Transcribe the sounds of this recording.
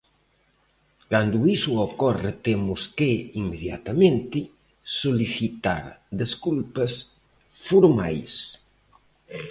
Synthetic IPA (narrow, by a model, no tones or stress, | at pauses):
kand̪uisuokɔret̪emuskeimːeðja̰t̪amẽnt̪ɪ | soliθit̪a̰ɾd̪eskulpɐs | fuɾma̰js